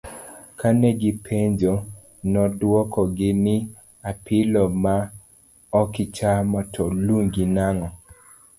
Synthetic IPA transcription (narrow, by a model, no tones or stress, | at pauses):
kanɛɡɪpʰeɲd͡ʒo | nɔdwɔkɔɡɪnɪ | apʰɪlɔma | ɔkɪt͡ʃamɔtʰɔluŋɡinaŋɔ